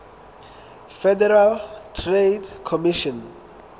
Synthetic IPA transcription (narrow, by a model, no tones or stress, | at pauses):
fɛdɛɾaltʰredkʰɔmiʃɔn